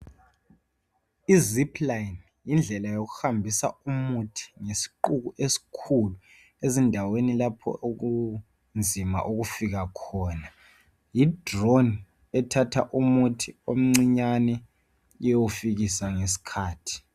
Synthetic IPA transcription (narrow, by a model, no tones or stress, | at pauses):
izipʰlajn | jind͡ɮʱɛlajok̬uhambʱisa̰umutʰi̥ŋesi̥ǃukuʔesi̥kʰulu | ezindʱawenilapʰɔ̰ʔok̬u | nd͡zʱima̰ʔuɣ̬ufiɣ̬akʰɔːna | jid̥ron | ɛtʰatʰaʔumutʰiom̩ŋ͡ǀiɲanɛ | owufiɣisaŋes̬i̥kʰaːtʰi̥